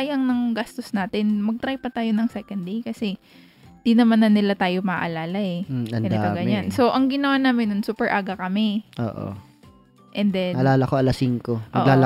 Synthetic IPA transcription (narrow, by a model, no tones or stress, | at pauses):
ajɐŋnɐŋɡast̪o̞snaːt̪ɪnmɐɡ̚t̪ɾajpɐt̪aːjo̞nɐŋsɛkɐnd̪d̪ejkɐsɛ | ɪnd̪inɐmanːɐnɪlat̪aːjomɐʔɐlaːlɐɛɐnɐnapɐɡɐɲanso̞ʔɐŋɡɪnɐwanaːmɪnːʊnsuːpɛɹʔaːɡɐkɐmɛʔo̰ːʔo̰ | ʔɛnd̪ɛnɐlaːlɐkoʔɐlɐsiŋkonʔɐ̰ːʔlaːl